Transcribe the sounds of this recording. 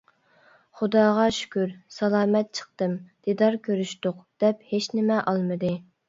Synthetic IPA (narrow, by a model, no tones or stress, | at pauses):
χʊd̪ɑːʁɑʃy̥kʲyɾsɑlˠɑːmɛt̪̚t͡ʃʰə̥χ̚t̪ɨmd̪̥id̪ɑɾkʲʰøɾyʃt̪ʊqd̪̥ɛphet͡ʃnɪmɛʔɑlˠmɨd̪ɨ